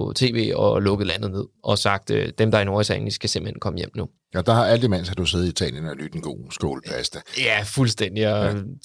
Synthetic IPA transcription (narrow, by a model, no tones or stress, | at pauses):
t͡sʰe̝̰ːʋe̝̰ːɒlɔ̽ɡ̥ð̩ˠlæn̰ð̩ˠne̝ð̰ˠʔɒ̽sɑ̈ɡ̥̚d̥d̥emd̥ɑ̈ɐnoɐisʰæŋnd̥isɡ̥æse̝mb̥l̩henkʰɒ̽məjem̰nu | ɒd̥ɑ̈hɑ̈æld̥imæn̰shɑd̥useːð̩ˠit͡sʰɛ̰ːljənɒlyd̥enɡ̥o̝̰ːsɡ̥o̝ːləpʰæsd̥əjæfulsd̥en̰d̥iɒ